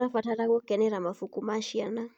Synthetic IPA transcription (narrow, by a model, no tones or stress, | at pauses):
afataɾakɔkɛnɛɾamafukumaʃiana